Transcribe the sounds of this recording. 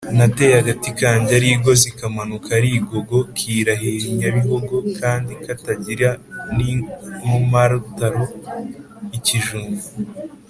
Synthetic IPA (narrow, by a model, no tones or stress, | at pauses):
nate̞ːjaɡatikaːɲɟaɾiːɡo̞zikamanukʰaɾiːɡo̞ɡo̞kʰiːɾaɦiɾiɲaβiɦoɡokʰaːndikataɟiɾanimumaɾutaɾo̞ | iciʒuːmu